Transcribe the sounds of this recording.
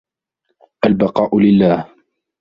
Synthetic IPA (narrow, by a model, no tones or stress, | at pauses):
ʔalbɑqɑːʔʊlɪlːaːh